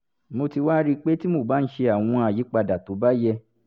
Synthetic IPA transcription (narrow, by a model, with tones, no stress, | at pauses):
mo˧ti˧wa˦ɾi˧k͡pe˦ti˦mo˦˨ba˨˦n̩˦ʃe˧a˨w̃ɔ̃˧a˨ji˨˦k͡pa˧da˨to˨˦ba˦jɛ˧